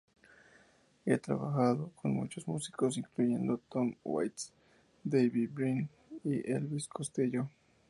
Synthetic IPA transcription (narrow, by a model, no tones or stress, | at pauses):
et̪ɾa̰βa̰xaðokʰonmṵt͡ʃosmusi̥kosiŋkluʝend̪ot̪omwa̰jt̪s | d̪ejβibɾin | iʔelβiskʰost̪iʎo